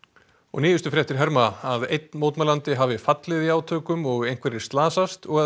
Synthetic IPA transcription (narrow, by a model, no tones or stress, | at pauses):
ɔ̰ɣniːjʏst̪ʏfɾjɛht̪ɪɾɦɛɾmaaðejt̪nmowt̪malant̪ɪɦavɪfat̪lɪðiaːwt̪ʰœːkʏmɔɣejn̥kvɛɾɪ̥st̪laːsast̪ɔɣa